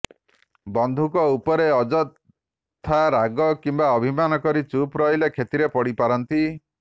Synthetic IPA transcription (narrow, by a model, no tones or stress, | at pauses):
bɔnd̪ʱukɔupɔɾeɔd͡ʒɔt̪ | t̪ʰːaɾaɡɔkimbaɔbʱimanɔkɔɾit͡ʃupɾɔjlekʰet̪iɾepɔɽipaɾɔnt̪i